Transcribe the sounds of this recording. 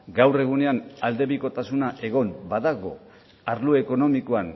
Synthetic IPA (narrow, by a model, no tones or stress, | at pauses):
ɡawre̞ɣ̞une̞anald̪e̞βiko̞t̪asunaʔe̞ɣ̞o̞mbaðaɣo̞ | aɾlueko̞no̞mikoan